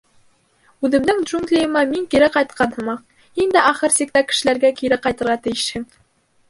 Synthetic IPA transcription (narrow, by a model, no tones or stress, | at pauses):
ʉðɘ̆md̪ɘŋd̪ʒuŋɡlʲijɤ̆mɑmiŋkiɾɘqɑjt̪̚qʰɑnhɤ̆mɑq̚ | hind̪æʔæχɤɾsik̚t̪ækɘ̆ʃɘ̆læɾɡækiɾɘqɑjt̪ɤ̆ɾʁɑt̪ɘ̆jɘ̆ʃhɘŋ